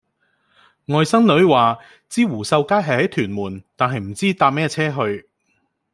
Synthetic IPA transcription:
ŋɔː˨˧jsɐ˥ŋnɵ˨˥ɥwaː˨ | t͡siː˥wuː˨˩sɐ˧wkaː˥jɦɐ˨jhɐ˨˥jt̪ʰyː˨˩nmuː˨˩nt̪aː˨nɦɐ˨jm̩˨˩t͡siː˥t̪aː˧p̚mɛː˥t͡sʰɛː˥ɦɵ˧ɥ

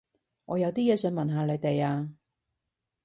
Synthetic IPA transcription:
ŋʔɔː˨˧jɐ˨˧wt̪iː˥jɛː˨˧sœː˨˥ŋmɐ˨nɦaː˨˧le˨˧t̪e˨jaː˧

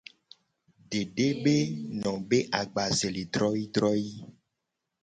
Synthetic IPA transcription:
ɖe˨ɖe˦be˦nɔ̃˨be˦ʔa˨ɡ͡ba˨ze˨le˨d̪ɾɔ˦ji˦d̪ɾɔ˦ji˦

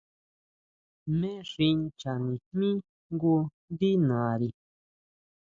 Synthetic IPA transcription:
mẽ˦ʐi˧nt͡ʃa˨nĩ˨mĩ˦ | ŋɡu˧nd̪i˦nã˨a˨ɾi˨

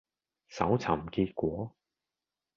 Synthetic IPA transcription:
sɐ˨˥wt͡sʰɐ˨˩mkiː˧t̚kʷɔː˨˥

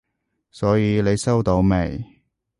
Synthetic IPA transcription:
sɔː˨˥jiː˨˧le˨˧jsɐ˥wt̪o˨˥wmḛ˨˩j

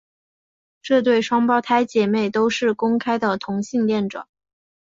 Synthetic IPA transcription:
ʈ͡ʂɤ˥˧t̪we˥˩ɪʂwɑ˥ŋpɑ˥˩ʊt̪ʰa˥ɪt͡ɕjɛ˨˩me˥˩ɪt̪o˥ʊʂɻ̩˥˩kʊ˥ŋkʰa˥ɪd̪ə˨t̪ʰʊ˧˥ŋɕi˥˧ŋljɛ˥˩nʈ͡ʂwɑ̰˨˩˦ŋ

